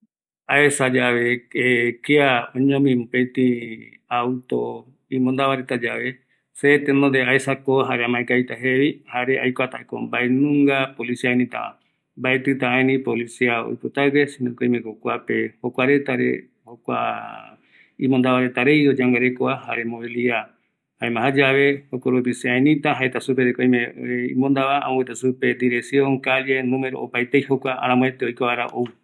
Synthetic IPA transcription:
aesad͡ʒaʋeekeaõɲõmĩmũpẽt̪ĩ | awt̪o | ĩmõnd̪aβaɾet̪ad͡ʒaʋe̞ | set̪end̪ond̪eaesakoɦaɾeamãẽkajt̪aɦeβihaɾeʔajkʷat̪aeko̰mbaenũŋɡapolisiaenĩt̪a̰ʔã̰ | mbaet̪ɨt̪aaẽnĩpolisiao̰jpɨt̪awesinõkoĩmẽkokʷapehokʷaɾe̞t̪aɾḛ | hokʷa̰ | ĩmõnd̪aβaɾet̪aɾejod͡ʒaŋɡaɾekoaha̰ɾemoβilia | haemãɦad͡ʒaβe̞okoɾopisiaenĩt̪aɦaet̪asupeɾekoj̃mẽimõnd̪aβaã̰õet̪asupe̞d̪iɾeksjõŋkaljenũmeɾo̰opajt̪ejhokʷaa̰ɾãmõet̪eojkoβaɾa̰ʔou

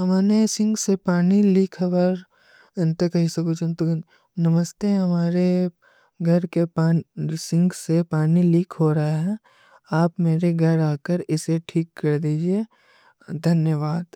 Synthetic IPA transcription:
ɦɐmaːɾesɪ̃ŋɡsepaːniliːkʰɦɐʋəɾ | ɪnt̪ekɐɦisɐbut͡ʃunt̪o | nɐməst̪eɦɐmaːɾe | ɡʱɐɾkepaːsɪ̃ŋɡsepaːniliːkʰɦoɾɐɦaɦɛ̃ | aːpmeːɾeɡʱɐɾaːkəɾɪseʈʰiːkːɐɾd̪iːd͡ʒie | d̪ʱɐnjəʋaːd̪

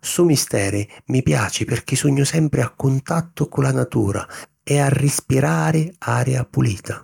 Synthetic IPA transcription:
sumist̪ɛːɾɪmipja̰ːt͡ʃɪpɪrk̟isuɲːʊsɛmpɾɪakːʊnt̪at̪ːʊkʊlanat̪ṵːɾa̰ | ɛarːɪspiɾaːɾɪaːɾjapuliːt̪ʰa

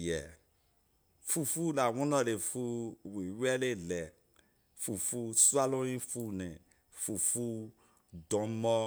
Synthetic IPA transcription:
jɛ | fufulawɔ̃nɔlefuwiwɛlelɛ | fufusualõjĩfunɛ̃ | fufu | dɔ̃mɔ

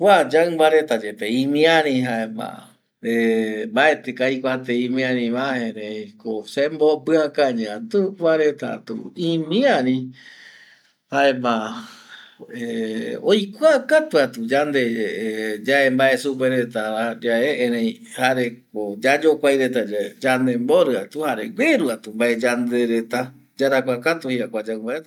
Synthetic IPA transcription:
ad͡ʒaɨ̃mbaɾe̞t̪ad͡ʒepeĩmĩãɾĩɦaema̰ | embae̞t̪ekaikʷat̪eĩmĩãɾĩβaẽɾẽjkosembopɨakaɲãt̪uβaɾet̪a̰t̪ṵimĩãɾĩ | haema | eojkʷakat̪uat̪ud͡ʒand̪e | d͡ʒaembaesup̬eɾet̪aɾad͡ʒaeẽɾẽj̃ | haɾe̞kod͡ʒad͡ʒokʷajɾet̪ad͡ʒand̪emboɾɨat̪uhaɾeɡʷeɾuat̪umbaʔed͡ʒand̪eɾet̪a | d͡ʒaɾakʷakat̪uhiakʷad͡ʒambaʔet̪a

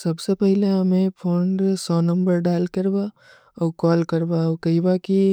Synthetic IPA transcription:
sɐbsepɛɦleɐmẽpʰoːɳɖsɔːnɐ̃mbəɾɖaːlkɐɾba | ɔːkɔːlkɐɾbakɐibaki

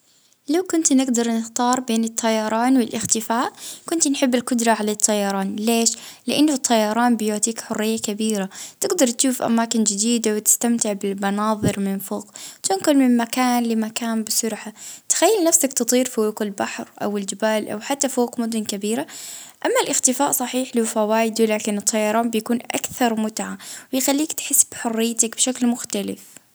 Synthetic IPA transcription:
lawkʊnt̪nɪɡd̪ɑɾˤnɪxt̪ɑːɾˤbeːnɨt̪ʰˤːɑjɑɾˤɑːnwɪlʔɪxt̪ɪfaːʔkʊnt̪nħɪbːɪlkʊd̪ɾˤɑʕalat̪ˤʰːɑjɑɾˤɑːnleːʃlɪʔanːʊt̪ˤʰːɑjɑɾˤɑːnbɪjoʕt̪ˤiːkħʊrːɪjːakabiːɾat̪ɪɡd̪ɑɾˤt̪ʃuːfʔa̰maːkɪnd͡ʒɪd̪iːd̪awɪt̪ɪ̥st̪amt̪ɪʕbɪlmɑnɑːðˤɨɾmɪnfoːqt̪ʊnkʊlmɪmmakaːnlɪmakaːmbɪsʊɾħat̪xajːɪlnafsakt̪ɨt̪ˤiːɾfwoːqɪlbaħɾʔa̰wɪld͡ʒɪbaːlʔa̰wħat̪ːafoːkmʊd̪ʊnkabiːɾaʔamːalʔɪxt̪ɪfaːʔsˤɑħiːħliwfawaːjɪd̪ulaːkɪnɨt̪ˤːɑjɑɾˤɑːnbɪjakuːnʔa̰kθɑɾˤmʊt̪ʕawɪjxalːiːkt̪ħɪsːb̥ħʊrːɪjːt̪akb̥ʃaklmʊxt̪alɪ̰f

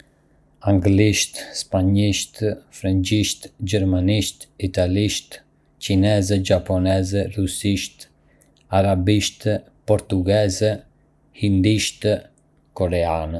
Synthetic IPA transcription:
aŋɡliʃt̪spaɲiʃt̪fɾaɲt͡ʃiʃt̪d͡ʑɛɾmaniʃt̪it̪aliʃt̪ | cinɛzɛd͡ʒapɔnɛzɛrusiʃt̪ | aɾabiʃt̪ | pɔɾt̪uɡɛzɛ | hind̪iʃt̪ | kɔɾɛan

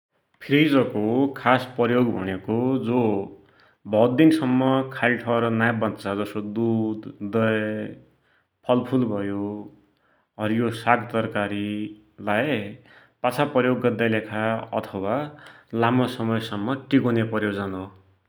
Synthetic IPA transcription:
pʰiɾid͡zʌkokʰaspʌjoɡbʱʌ̰nekod͡zo | bʱʌd̪d̪insʌmːʌkʰalʈʰʌɾʌnajbʌnt͡sad͡zʌsod̪ud̪ʌj | pʰʌlpʰulbʱʌjo | ʌɾijosaɡt̪ʌrkaɾi | laj | pat͡sʰapʌjoɡːʌd̪ːajlekʰaʌ̰t̪ʰʌwalamʌsʌmʌjsʌmːʌʈikonepʌrjod͡zʌno

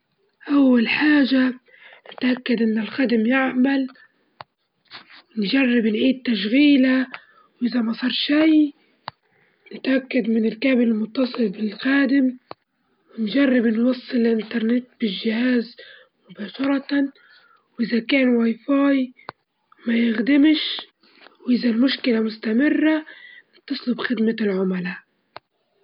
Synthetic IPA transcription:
ʔawːalħaːʒa | nɪt̪ʔakːad̪ʔɪnːɪlxaːd̪ɪmjɪʕmal | ɪnʒarˤːɪbnʕiːd̪̚t̪ːaʃɣiːla | wʔɪzamɑsˤɑːɾˤʃaj | nɪt̪ʔakːad̪mɪnɪlkaːbɪlɪlmʊt̪ːɑsˤɨlbɪlxaːd̪ɪm | wɪnʒarˤːɪbnwɑsˤːɨlɪlʔɪnt̪ɑɾˤnɪt̪̚b̥ɪʒːɪhaːz | mʊbaːʃɑɾˤɑ | wʔɪzakaːnwajfɑːj | majɪxd̪ɪmʃ | wʔɪzalmʊʃkɪlamʊst̪amɪrːanɪt̪ːɑsˤlʊbxɪd̪malʕʊmalaːʔ

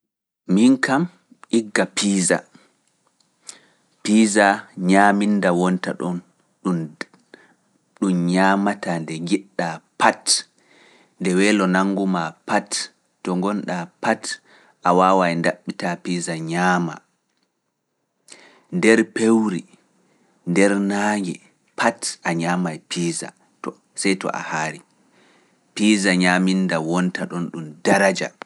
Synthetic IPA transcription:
minkam | ʔiɡːapiːza̰ | piːzaɲaːmindawɔnta̰ɗɔn | ɗun | ɗumɲaːmatandɛŋɡiɗːapat | ndɛwɛːlɔnaŋɡumapatː | ɔŋɡɔnɗapat | ʔawaːwajndaɓːitapiːzaɲaːma̰ | ndɛɾpewɾi | ndɛɾnaːŋɡɛ̰ | pʰatʔaɲaːmajpʰiːza̰ | t | sajtɔ̰ʔa̰haːɾi | pizaɲamindawɔntaɗɔnɗumdaɾad͡ʒa̰

